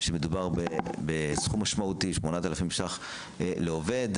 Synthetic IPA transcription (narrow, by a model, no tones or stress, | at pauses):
ʃemed̪ubaʁbebesχumaʃmaut̪iʃmonat̪alafimʃaχ | leove̞d̪